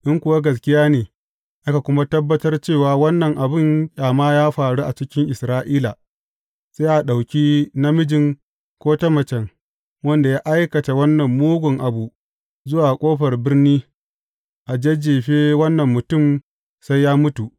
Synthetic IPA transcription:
ʔɪ˦ŋkʷʊ˨wa˦ɡɐ˨s̬kʲɪ˦jaː˦neː˨ | ʔa˦ka˨kʷʊ˦ma˦tɐ˦bːɐ˦tɐ˦rt͡ʃeː˦˨waː˨wɐ˦nːɐ˨ŋʔa˨bɪ˦ŋkʲʼaː˨maː˦jaː˦ɸaː˨ɽu˦ʔa˨t͡ʃɪ˦kʲɪ˦ŋʔɪ˨sɾaː˦ʔiː˦la˨ | sa˦ʔa˨ɗa˨wkʲiː˦na˦mɪ˦d͡ʒɪ˨ŋ | kʷoː˦tɐ˦mɐ˨t͡ʃɛ˨ŋ | wɐ˦nda˨jaː˦ʔa˦jkɐ˨ta˨wɐ˦nːɐ˨mːuː˦ɡʷʊ˨ŋʔa˨bu˨ | zʊ˦waː˨kʷʼoː˦ɸɐ˨rbɪ˦rniː˦ | ʔa˨d͡ʒe˦d͡ʒeː˨ɸeː˦wɐ˦nːɐ˨mːʊ˨tʊ˦˨m | sa˦jːaː˦mʊ˦tu˨ʔ

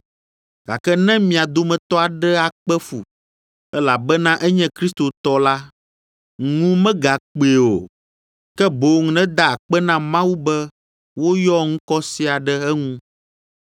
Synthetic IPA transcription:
ɡ̥a̰˨kɛ˦nɛ̃˦mĩ˨a˨d̪o˦mɛ̃˨t̪ɔ˦a˨ɖɛ˦a˨k͡pɛ˦fṵ˨ | ɛ˦la˨bɛ˦nã˦ʔɛ˦ɲɛ̃˦kɾi˦st̪o˨t̪ɔ˦la˦ | ŋ˦ŋũ˦mɛ̃˦ɡa˨k͡pe˨o̰˨ | kɛ˦bo˨ŋ˦nɛ̃˦d̪a˨a˨k͡pɛ˦nã˦mã˦wu˦bɛ˦ | wo˦jɔ˦ŋ̩̃˦kɔ˦si˦a˨ɖɛ˦ɛ˦ŋũ˦

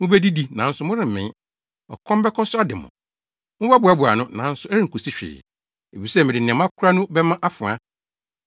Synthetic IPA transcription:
mʊ̃˦bæ˦di˦di˦nã˨˦n̩˦sʊ˨mʊ̃˦ɾɪ̃˦˨m̩˨mɪ̃˨˦ | ɔ̰˨kʰɔ̃˦m˦bɛ˦kʰɔ˦sʊ˦a˦dɪ˨mʊ̰̃˨ | mʊ̃˦ba˦bʊ˨a˨˦bʊ˨a̰˨nʊ̃˦nã˨˦n̩˦sʊ˦ɛ˦ɾɪ˦ŋ̩˨kʰo˨si˦ɕᶣɪ̰ː˨ | e˨fi˨sɛ˦˨mɪ̃˨dɪ˨n˨ɪ̃˨m˦ã˦kʰʊ˦ɾa˦nʊ̃˦bɛ˦mã˦ʔa˦fʊ̃˨a̰˦

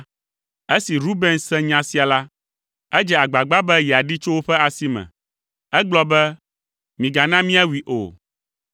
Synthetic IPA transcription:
e˦si˨ɾu˦be˦nsɛ̃˦ɲã˦si˦a˨la˦ | ɛ˦d͡ʒɛ˨a˨ɡ͡ba˨ɡ͡ba˦bɛ˦jɛ˨a˨ɖi˦t͡ʃo˦wo˦ɸɛ˦a˨si˦mɛ̰̃˨ | ɛ˦ɡ͡blɔ˦bɛ˦ | mĩ˨ɡa˨nã˦mĩ˦a˦wi˨ʔo̰˨

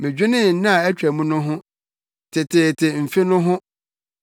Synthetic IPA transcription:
mɪ̃˨d͡ʑᶣɪ˦nɪ̃˦n̩˦nɪ̃˦a˨ɛ˦t͡ɕᶣæ˨mũ˦nʊ̃˦ɦʊ̃˦ | tʰɪ˨tʰɪ˨tʰɪ˨m̩˨fɪ˦nʊ̃˦ɦʊ̃˦

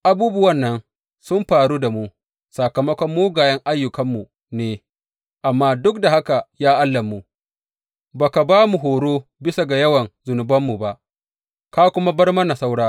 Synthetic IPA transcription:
ʔa˨buː˦bʊ˦wɐ˦˨nːɐ˦n | sʊ˦mɸaː˨ɾuː˦da˨mu˦ | sa˨kɐ˨mɐ˦kʷɔ˦mːuː˦ɡaː˨jɐ˦ŋʔa˦jːʊ˨kɐ˦mːu˨ | neː˨ | ʔa˨mːaː˦dʊ˦k̚da˨ha˦ka˨jaː˦ʔa˦lːɐ˨mːu˨ | baː˨ka˨baː˦mu˨ɦoː˨ɽoː˦bɪ˦sa˨ɡa˨jɐ˦wɐ˨nzʊ˨nʊ˨bɐ˦mːu˨ba˦ʔ | kaː˦kʷʊ˦ma˦bɐ˦rmɐ˦na˨sa˦wɽaː˦

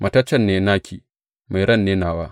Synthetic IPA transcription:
mʔɐ˨ta˦t͡ʃːɐ˦nːeː˨naː˦kʰʲi˨ | ma˨ɾɐ˦nːeː˦naː˨waː˦

